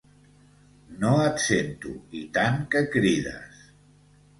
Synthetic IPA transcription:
noət̪sent̪ṵit̪aŋkəkɾiðə̰s

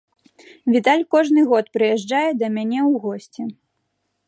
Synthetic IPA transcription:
vʲit̪alʲkɔʐnɨɣɔt̪pɾɨjɛʐd͡ʐajɛd̪ɐmʲanʲɛwɣɔsʲt͡sʲɛ

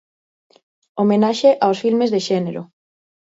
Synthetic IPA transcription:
omẽnaʃeʔawsfilmezðeʃɛneɾo̰

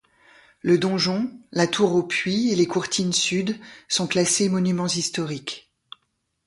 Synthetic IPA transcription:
ləd̪ɔ̃ʒɔ̃lat̪ʰuʁopɥielekuʁt̪ʰinsyd̪sɔ̃klasemɔnymɑ̃zist̪ɔʁik

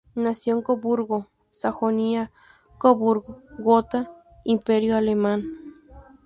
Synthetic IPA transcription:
nasjoŋkobuɾɣo | saxonia | koβuɾɣoɡot̪a | impeɾjoaleman

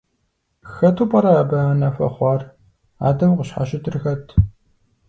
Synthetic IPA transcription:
xɐtʰuːpʼɐɾɐaːbɐanɐfɐ̰χʷɑːr | a̰ːdɐmqəɕħa̰ɕɪtʰɨrxɐtʰ

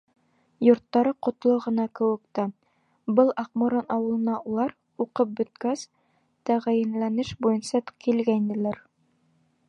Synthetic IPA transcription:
jŏɾt̪ːɑɾɤqŏt̪lˠoʁɤ̆nɑkɘ̆wɘ̆k̚t̪æ | bɤlˠɑqmuɾonɑwɤ̆lˠɤ̆nɑulˠɑɾ | uqɤp̚bɵ̆t̪kæs | t̪æʁæjɘ̆nlænɘʃbujɤnsɑkilɡæind̪ɘ̆læɾ

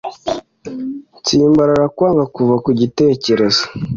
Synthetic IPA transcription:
t͡siːmbaɾaɾakwaːŋɡakuvakuɟite̞ːce̞ɾe̞zo̥

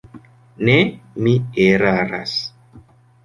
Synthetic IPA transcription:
nemieɾaɾa̰s

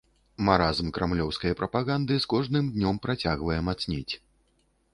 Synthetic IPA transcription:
maɾazmkɾʔamlʲɔwskɐjɐpɾɐpaɣand̪ɨskɔʐnɨmd̪nʲɔmpɾat͡sʲaɣvɐjɛmat̪snʲit͡sʲ

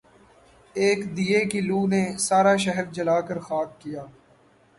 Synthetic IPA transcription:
eːkd̪iːekiluːnesaːɾaːʃ̬ɛɦəɾd͡ʒɐlaːkəɾxaːk̪̚ːijaː

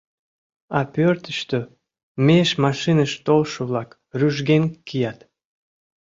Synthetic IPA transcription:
ɑpørt̪əʃt̪ø | meʃmɑʃinəʃt̪olʃəβlɑk | ryʒɡenkijɑt̪

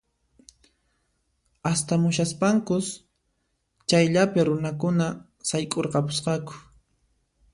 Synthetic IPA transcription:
ast̪amʊʃaspaŋkʊs | t͡ʃajʎapɪɾʊnakʊna | sajkʼoɾqɑpʊsqɑkʊ̥

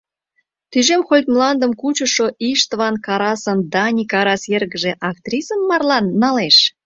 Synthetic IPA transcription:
t̪yʒemxolʲt̪mlɑnd̪əmkut͡ɕə̆ʃoʔiʃt̪vɑnkɑɾɑsənd̪ɑnʲikɑɾɑsjerɣəʒeʔɑk̚t̪rʲisəmːɑrlɑnːɑleʃ

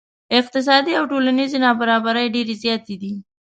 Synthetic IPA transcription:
ɪq̚t̪ɪs̬ɑd̪iawʈolanizenɑbaɾɑbaɾəjɖeɾezjɑt̪ed̪i

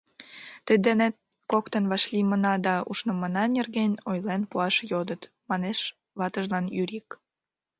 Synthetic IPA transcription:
t̪əd̪enet̪̚ | kokt̪ənβɑʃlʲimənɑd̪ɑṵʃnomənɑnʲerɣenʲojlenpuɑʃjod̪ət̪ | mɑneʃ | βɑt̪əʒlɑnyɾik

